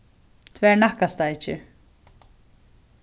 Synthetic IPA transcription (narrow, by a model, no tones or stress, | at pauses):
t̪ʰvɛːɹnahkast̪aɪcːɪ̰